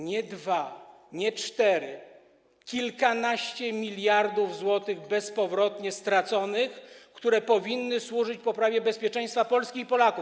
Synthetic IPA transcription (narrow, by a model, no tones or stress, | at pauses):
ɲɛd̪va | ɲɛt͡ʂt̪ɛɾɘ | kʲilkanaɕt͡ɕɛmʲilʲjaɾd̪uvzwɔt̪ɘɣbɛspɔvɾɔt̪ɲɛst̪ɾat̪sɔnɘxkt̪uɾɛpɔvʲinːɘswuʐɘt͡ɕpɔpɾavʲjɛbɛspʲjɛt͡ʂɛ̃j̃st̪fapɔlskʲixpɔlaku